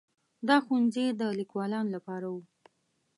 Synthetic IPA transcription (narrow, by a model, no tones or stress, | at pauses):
d̪ɑxund͡zed̪əlikwɑlɑnolapɑɾawu